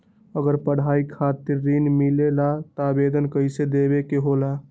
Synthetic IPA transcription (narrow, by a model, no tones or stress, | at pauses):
əɡəɾpəɽ̤aikʰat̪iɾːinmilelat̪abed̪ənkəɪsed̪ebekeɦola